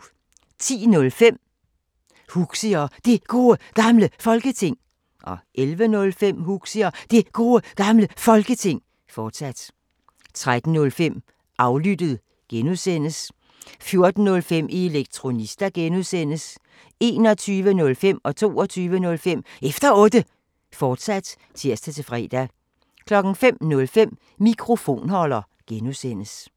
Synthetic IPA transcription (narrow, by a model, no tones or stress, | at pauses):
t͡sʰḭːnɔ̽lfem̰ | huɡ̥siɐd̥e̝ɡ̥o̝ːəɡ̥ɑ̈mləfɒ̽lɡ̥ət͡sʰe̝ŋ̰ | ʔɒ̽ʔelʋənɔ̽lfem̰huɡ̥siɐd̥e̝ɡ̥o̝ːəɡ̥ɑ̈mləfɒ̽lɡ̥ət͡sʰe̝ŋ̰ | fɒːd̥sæd̥ | t͡sʰʁad̥n̩ːɔ̽lfem̰ | ʔɑ̈ʊlyd̥ð̞̩ˠ | ɡ̥enuðˠsen̰əs | fjo̝ɐd̥n̩nɔ̽lfem̰ʔieleɡ̥̚t͡sʰʁo̝nisd̥æɡ̥enuðˠsen̰əs | e̝ːnɒ̽t͡sʰyːʋənɔ̽lfem̰ɒ̽t͡sʰo̝̰ːɒt͡sʰyːʋənɔ̽lfem̰efd̥ɐɔ̽ːd̥ə | fɒːd̥sæd̥ | t͡sʰiɐ̰sd̥æt͡sʰe̝fʁɛ̰ːd̥æ | kʰlɒ̽ɡ̥n̩fem̰nɔ̽lfem̰ | mikʰʁo̝fo̝̰ːnhɒ̽lɐ | ɡ̥enuðˠsen̰əs